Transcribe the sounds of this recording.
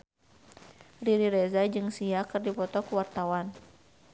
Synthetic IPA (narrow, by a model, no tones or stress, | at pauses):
riɾiɾɛzad͡ʒɨŋsiakɨrdipɔt̪ɔkuwart̪awan